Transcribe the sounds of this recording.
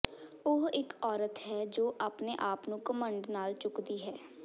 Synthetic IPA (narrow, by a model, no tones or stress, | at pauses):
ʊɦɪkɔːɾət̪ɦɛːd͡ʒoːʔaːpneʔaːpnũːkəmə̃ɳɖnaːlt͡ʃʊkd̪iːɦɛː